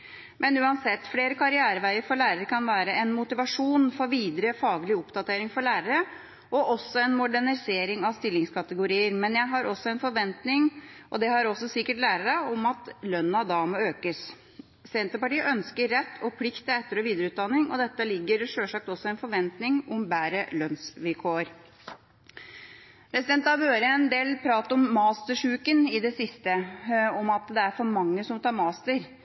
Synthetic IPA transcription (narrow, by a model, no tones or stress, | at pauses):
mʔɛnʉːɑnsɛt̪ːfleːɾəkʰɑɾɪæːɾəʋæɪəɾfɔɾɭæːɾəɾkʰɑnʋæːɾəɛnmʊt̪ɪʋɑʂuːnfɔɾʋiːd̪ɾəfɑːɡlɪʊpd̪ɑt̪ʰeːɾɪŋfɔɾɭæːɾəɾə | ɔʔɔsːɔɛnmʊɖæɳɪseːɾɪŋɑʋst̪ɪlːɪŋskʰɑt̪əɡʊɾiːəɾmɛnjæɪɦɑɾʔɔsːɔɛnfɔɾʋɛnt̪nɪŋʔɔd̪ɛɦɑɾɔsːɔsɪkːəʈlæːɾəɾəɔmɑt̪lœnːɑd̪ɑːməøːkəs | sɛnt̪əpɑʈiːəʔœnskəɾːɛt̪ːʰɔpʰlɪkt̪əɛt̪ːəɾɔʋiːd̪əɾəʉːt̪̚d̪ɑnːɪŋʔɔ̰d̪ɛt̪ːəlɪɡːəɾʂøːʂɑk̚t̪ɔsɔɛnfɔɾʋɛnt̪nɪŋɔmbæːɾəlœnsʋɪlkʰoːəɾ | pɾɛsɪd̪ɛnt̪ɑʋøːɾəɛnd̪eːlpʰɾɑːt̪əɔmːɑːst̪əʂʉːkənɪd̪ɛsɪst̪əɔmɑt̪d̪ɛæɾfɔɾmɑŋːəsɔmt̪ʰɑːɾmɑːst̪əɾ